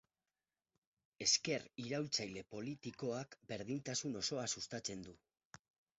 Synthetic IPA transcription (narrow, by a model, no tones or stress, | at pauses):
e̞ske̞riɾawlt͡sajle̞po̞lit̪iko̞akbe̞ɾðint̪asuno̞so̞asust̪at͡se̞nd̪u